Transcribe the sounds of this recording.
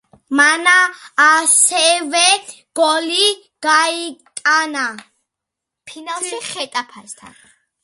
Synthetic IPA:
manaː | sɛvɛ | ɡ̥ɔli | ɡ̥ait̪ʼana | pʰinalˠʃiχɛt̪ʼapʰaɾst̪ʰa̰n

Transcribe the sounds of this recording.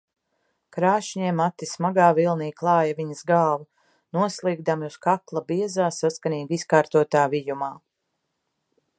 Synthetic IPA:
kɾaːʃɲɛɛmat̪ːismaɡaːvilˠniːklˠɑːjaviɲəzɡaːva | nuɔslˠiːɡ̚d̪amuskaklˠabiɛzaːsaskaniːɡiskaːɾt̪uɔt̪aːvijumaː

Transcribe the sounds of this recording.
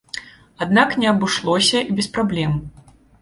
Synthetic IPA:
ad̪naknʲɛɐbɨʂlˠɔsʲɐʔibʲɛspɾablʲɛm

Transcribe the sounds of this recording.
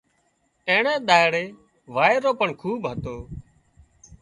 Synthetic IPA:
ẽːɳẽːɗ̪aːɪɽeː | ʋaːeɾoːpəɳkʰuːbɦət̪oː

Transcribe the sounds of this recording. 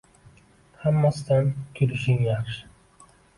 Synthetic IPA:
hamːast̪ankʲʰʊɾɪʃɪŋjaχʃ

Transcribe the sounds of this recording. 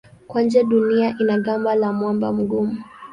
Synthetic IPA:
kwand͡ʒɛɗuniaʔinaɠambalamwamba̰m̩ɡumu

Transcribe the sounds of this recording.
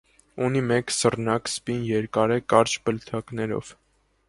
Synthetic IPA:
unimɛksərnɑkspinjɛɾkɑɾɛkɑɾt͡ʃbəlt̪ʰɑknɛɾɔ̰v̥

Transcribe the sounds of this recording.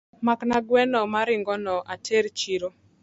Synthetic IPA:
maknaɡwɛnɔmaɾɪŋɡɔnɔʔatʰeɾt͡ʃiɾo

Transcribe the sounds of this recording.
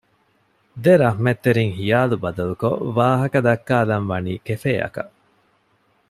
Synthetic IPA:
d̪eɾɐɦmet̪ːeɾiŋhijaːlubɐd̪ɐluko̰ʋaːɦɐkɐd̪ɐkːaːlɐnʋɐniːkefeːɐ̰kɐ

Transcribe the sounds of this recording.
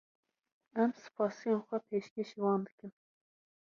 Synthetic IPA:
æmsɨ̥pʰɑːsijẽːnxʷɛpʰeːʃkʲeːʃiːwɑːnd̪ɨkɨm

